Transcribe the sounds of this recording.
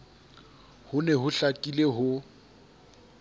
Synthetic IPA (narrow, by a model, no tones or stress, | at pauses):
hʊnɛɦʊɬakʼileɦʊ